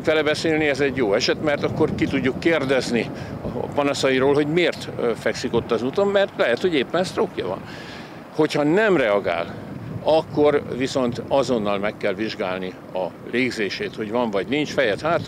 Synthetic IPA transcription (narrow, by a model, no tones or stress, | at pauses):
kʋɛlɛbɛseːlniɛzɛɟjoːɛʃɛt̪mɛrt̪ɒkːo̞rkit̪uɟːukːeːrd̪ɛzniɒ̰pɒnɒsɒiɾoːlɦo̞ɟmeːrt̪fɛksiko̞t̪ːɒzuːt̪o̞mːɛrt̪lɛɦɛt̪ho̞ɟeːpːɛnɛst̪rokjɒvɒ̰n | ho̞chɒnɛmrɛɒɡa̰ːlɒkːo̞rviso̞nt̪ɒzo̞nːɒlmɛkːɛlviʒɡaːlni | ɒleːɡzeːʃeːt̪ho̞ɟʋɒɱvɒɟnint͡ʃfɛjɛt̪haːt̪